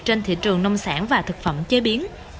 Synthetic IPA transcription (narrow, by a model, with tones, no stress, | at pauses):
t͡ɕe˧nt̪ʰḭ˧˨t͡ɕɨ˨˩əŋnə˧wŋ͡msa̰ː˧˥nvaː˨˩t̪ʰɨ˨˩k̚fə̰˧˩mt͡ɕe˨˦ɓi˨˦ən